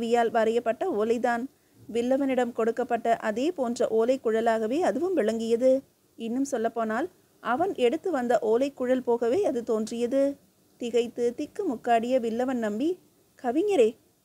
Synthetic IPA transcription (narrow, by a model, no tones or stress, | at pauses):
ʋɪjaːlʋɐɾɐjɐpːɐʈːɐoːlɐɪt̪aːn | ʋɪɭːɐʋɐnɪɽɐmkɔɽɯkːɐpːɐʈːɐʔɐðeːpoːndrɐ̰ʔoːlɐɪkːʊɻɐlaːɣɐʋeːɐðɯʋɯmʋɪɭɐŋɡɪjɐðɯ | ɪnːɯmsɔlːɐpːoːnaːl | ʔɐʋɐnʔɛɽɯt̪ːɯʋɐnd̪ɐʔoːlɐɪkːʊɻɐlpoːɣɐʋeːɐðɯt̪oːndrɪjɐðɯ | t̪ɪɣɐɪt̪ːɯt̪ɪkːɯmʊkːaːɽɪjɐʋɪlːɐʋɐnnɐmbi | kɐʋɪɲɐɾeː